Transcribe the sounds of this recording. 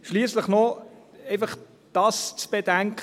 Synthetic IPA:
ʃliəsləχnɔ | eɪfɑχ | d̥ɑːst͡sb̥edæŋkʰ

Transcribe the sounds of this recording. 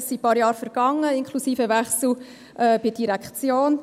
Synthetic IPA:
sipɑɾjɑːɾfəɾɡ̥ɑŋːəɪnkʰχlusiːfəvæχsl̩ | ʔɛːb̥ɪd̥iɾækχt͡sjoːn

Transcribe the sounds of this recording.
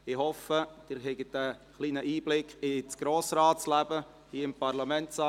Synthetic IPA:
ɪhɔfəd̥ɪɾɦɛɡətəχliːnəʔiːblɪkɪt͡sɡ̥ɾoːsɾaːt̚t͡slæbə | hiːəɪmpɑɾlɑmɛntsɑ

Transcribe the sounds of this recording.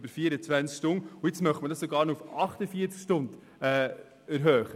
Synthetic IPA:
bəɾfiəɾət͡sʋænskʃtʊnuɪt͡smœχtmədɑsoɡɑːɾnoufɑχtəfiːət͡skʃtʊnd | ɛː | æɾɦœːχə

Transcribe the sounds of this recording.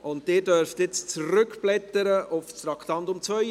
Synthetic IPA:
ʔʊntdɪːdœɾftɪt͡st͡srʏkplɛt̪əɾəʔʊfst̪ɾɑkʰt̪ɑntʊmt͡sʋœʏ

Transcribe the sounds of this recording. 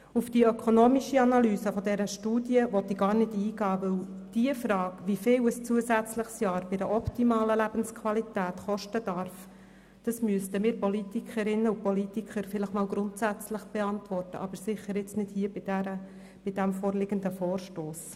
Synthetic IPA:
ufd̥iœkʰɔnoːmiʃiɑnɑlyːsəfɔd̪ɛɾəʃtuːd̥jəʋɔt̪iɡɑːɾnɪdiːɡɑːʋɵwd̥iəfɾɑːkʋifɪːwəst͡suəsæt͡sləχsjɑːɾb̥ɪɪɾəʔɔptimɑːləlæb̥ənskʰwɑlitæːtχɔʃtədɑɾf | d̥ɑsmyəstəmɪːɾpɔlitikχəɾɪnːəupɔlitikχəɾfɪləχmɑːlɡɾʊntsæt͡sləχb̥ɛɑntʋɔrtəʔɑb̥əɾsɪχəɾɛt͡snɪd̥hiəbɪdæɾə | b̥ɪd̥æmfoːrlɪɡəndəfɔːrʃtoːs

